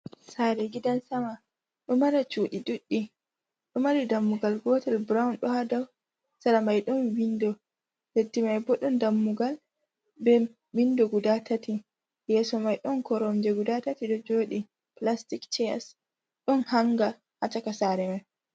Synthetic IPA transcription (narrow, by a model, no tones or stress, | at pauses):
saːɾɛɡidansama | ɗumaɾat͡ʃuːɗiɗuɗːi | ɗumaɾidamːuɡalɡɔːtɛlbɾaunɗɔhadaw | saɾamajɗɔnwindɔ | hetːimajbɔɗɔndamːuɡal | bɛ | windɔɡudatʰati | jɛsɔmajɗɔnkɔɾɔmd͡ʒɛɡudatatiɗɔd͡ʒoːɗi | plastikt͡ʃɛja̰s | ɗɔnhaŋɡa | hat͡ʃakasaɾɛmaj